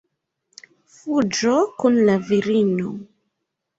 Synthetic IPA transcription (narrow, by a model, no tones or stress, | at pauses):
fud͡ʒokunlaviɾino